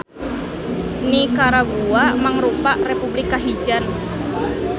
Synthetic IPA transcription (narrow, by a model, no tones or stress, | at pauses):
nikaɾaɡuamaŋɾupaʔrepublikːaɦid͡ʒan